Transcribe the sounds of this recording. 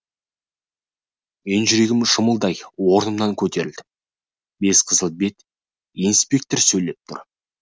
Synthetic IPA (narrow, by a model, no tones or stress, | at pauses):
me̞nʒʏɾe̞ɡʲɪmʃʊməlˠd̪ɑjwo̞ɾnəmnɑŋkʲʰɵt̪e̞ɾɪld̪ɪ | be̞sqʰəzəlˠbe̞t̪ | inspʲe̞k̚t̪oɾsɵjle̞p̚t̪ʰʊ̰ɾ